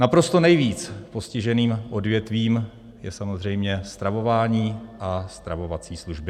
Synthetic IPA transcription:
napɾo̞st̪o̞nɛjviːt͡spo̞scɪʒɛniːmʔo̞dvjɛt̪viːm | jɛsamozr̝ɛjmɲɛst̪ɾavo̞vaːɲiːʔast̪ɾavo̞vat͡siːsluʒbɪ

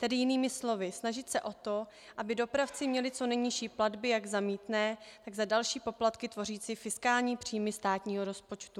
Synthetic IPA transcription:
t̪ɛdɪjɪniːmɪslo̞vɪsnaʒɪt̪sɛʔo̞t̪o | ʔabɪdo̞pɾaft͡sɪmɲɛlɪt͡so̞nɛjɲɪʃiːpladbɪjaɡzamiːt̪nɛːt̪aɡzadalʃiːpo̞plat̪kɪt̪vo̞riːt͡sifɪskaːlɲiːpr̝̥iːmɪst̪aːt̪ɲiːɦo̞ɾo̞spot͡ʃt̪u

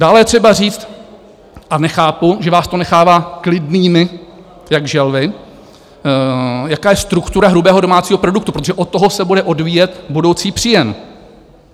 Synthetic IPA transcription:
d̥aːlɛjɛt̪r̥ɛbariːt͡st̪ | ʔanɛxaːpuʒɛvaːst̪o̞nɛxaːvaːklɪdniːmɪ | jaɡʒɛlvɪ | jakaːjɛst̪ɾukt̪uɾaɦɾubɛːɦo̞do̞maːt͡siːɦo̞pɾo̞dukt̪upɾot̪oʒɛʔot̪ːoɦosɛbudɛʔo̞dviːjɛt̪budo̞wt͡siːpr̝̥ɪjɛn

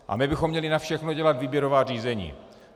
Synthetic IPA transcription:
ʔa̰mɪbɪxomːɲɛlɪnafʃɛxnoɟɛlat̪viːbjɛɾovaːriːzɛɲḭː

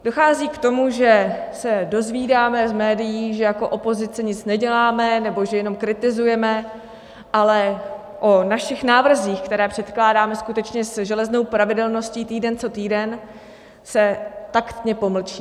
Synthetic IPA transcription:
d̥o̞xaːziːkt̪o̞muʒɛsɛdo̞zviːdaːmɛzmɛːdɪjiːʒɛjako̞ʔo̞po̞zɪt͡sɛɲɪt͡snɛɟɛlaːmɛnɛbo̞ʒɛjɛno̞mkɾɪt̪ɪzujɛmɛ | ʔalɛ | ʔonaʃɪxnaːvr̩ziːxkt̪ɛɾɛːpr̝̥ɛt̪klaːdaːmɛskut̪ɛt͡ʃɲɛzʒɛlɛzno̞wpɾavɪdɛlno̞sciːt̪iːdɛnt͡so̞t̪iːdɛn | sɛt̪akt̪ɲɛpo̞ml̩t͡ʃiː

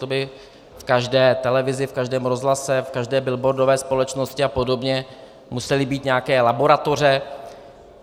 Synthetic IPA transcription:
obɪ | fkaʒdɛːt̪ɛlɛvɪzɪfkaʒdɛːmɾo̞zɦlasɛfkaʒdɛːbɪlbo̞ɾdovɛːspo̞lɛt͡ʃnoscɪapo̞do̞bɲɛ | musɛlɪbiːt̪ɲɛakɛːlabo̞ɾat̪o̞r̝ɛ

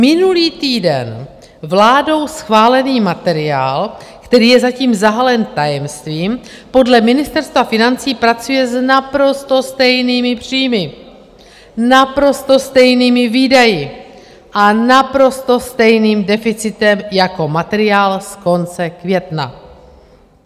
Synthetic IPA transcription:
mɪnuliːt̪iːdɛ̰n | vlaːdo̞wsxvaːlɛniːmat̪ɛɾɪa̰ːl | kt̪ɛɾiːjɛzaciːmzaɦalɛnt̪ajɛmst̪viːm | po̞dlɛmɪnɪst̪ɛɾst̪vafɪnant͡siːpɾat͡sujɛznapɾo̞st̪o̞st̪ɛjniːmɪpr̝̥iːmɪ | napɾo̞st̪o̞st̪ɛjniːmɪviːdajɪ | ʔanapɾost̪o̞st̪ɛjniːmdɛfɪt͡sɪt̪ɛmjako̞mat̪ɛɾɪaːlsko̞nt͡sɛkvjɛt̪na̰

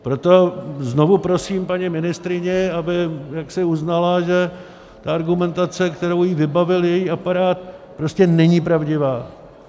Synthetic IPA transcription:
pɾo̞t̪o̞zno̞vupɾosiːmpaɲimɪnɪst̪ɾɪɲɛabɪjaksɪuznalaʒɛ | t̪aaɾɡumɛnt̪at͡sɛkt̪ɛɾowjivɪbavɪljɛjiːʔapaɾaːt̪pɾo̞scɛnɛɲipɾavɟɪvaː

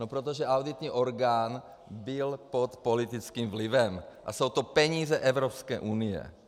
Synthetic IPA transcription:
nopɾot̪̬oʒɛʔawd̪it̪ɲiːʔoɾɡaːn | bɪlpot̪polit̪it͡skiːmvlɪvɛmʔa̰sowt̪opɛɲiːzɛʔɛvɾopskɛːʔunijɛ̰

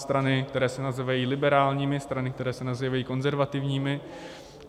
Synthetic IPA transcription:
st̪ɾanɪkt̪ɛɾɛːsɛnazɛvajiːlɪbɛɾaːlɲiːmɪst̪ɾanɪk̚t̪ɛɾɛːsɛnazɛvajiːko̞nzɛɾvat̪ɪvɲiːmɪ

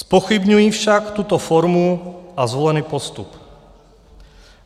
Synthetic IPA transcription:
spɔxibɲujifʃakt̪ut̪ɔfɔɾmuʔazʋɔlɛniːpɔst̪up

